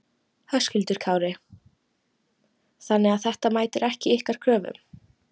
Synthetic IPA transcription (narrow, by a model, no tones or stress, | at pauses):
hœscʏlt̪ʏɾ̥kʰaːwɾɪ | θanːɛaθɛht̪amaːjt̪ɪɾʔɛhcɪɪhkaɾ̥kʰɾœːvʏ̰m